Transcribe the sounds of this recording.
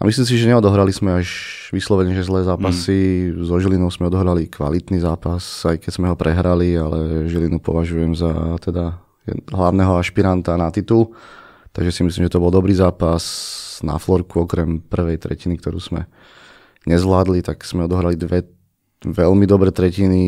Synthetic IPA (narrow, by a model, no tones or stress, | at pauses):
a̰mislims̬iʒɛɲɛɔd̪ɔɦɾalizmɛaʒʋislɔʋɛɲɛʃɛzlɛːzaːpasizɔʒilinɔʊzmɛɔd̪ɔɦɾalikʋa̰lit̪nizaːpasajkɛz̥mɛɦɔpɾɛɦɾalialɛʒilinupɔ̰ʋaʒujɛmza̰t̪ɛd̪a | j̰ɦlaʊnɛɦɔaʃpiɾant̪anat̪it̪ul | t̪a̰ɡʒɛsimislimʒɛt̪ɔbɔlˠd̪ɔbɾiːzaːpasna̰flɔɾkuɔkɾɛmpr̩ʋɛjt̪ɾɛ̰cinikt̪ɔɾuːz̥mɛ | ɲɛzʋlaːd̪lit̪akz̥mɛɔd̪ɔɦɾalid̪ʋɛ | ʋɛlmid̪ɔbɾɛːt̪ɾɛcini